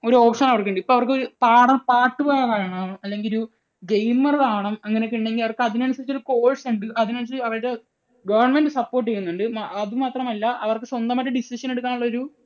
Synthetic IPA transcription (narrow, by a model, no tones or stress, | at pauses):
o̞ɾuo̞ːpʂɐnɐʋɐrkːeɳɖipːoːɐʋɐrkɨo̞ɾupaːɽɐpaːʈːɨpoːɣɐkaːjɐɳɐːɐmɐlːe̞ŋɡilu | ɡejmːɐrðaːɐɳɐmɐŋːɐneokːuɳɖe̞ŋɡilɐʋɐrkɨɐðinɐɳusɐɾit͡ɕːoɾuko̞ːɻseɳɖɨʔɐðinensːɨɐrɐɾe | ɡɐʋɐrɳme̞nɖɨsɐpːo̞ːrʈːt͡ɕejːunːuɳɖɨmaɐðɨmaːt̪rɐmɐlːɐʔɐʋɐrkɨswɐnd̪ɐmɐtːɐɖisiʂɐne̞ɽuk̬ːaːnuɭːɐo̞ɾu